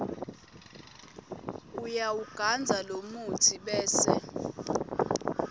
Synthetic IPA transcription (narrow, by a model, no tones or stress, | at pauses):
ujawuɡ̥ʱand͡zʱalomutʰiɓɛːsɛ̰